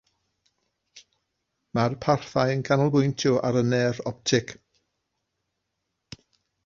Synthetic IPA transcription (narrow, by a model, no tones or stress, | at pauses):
marpʰarθajənkʰanəlˠbʊjntʰuʔa̰ɾənɛrɔp̚tʰɪk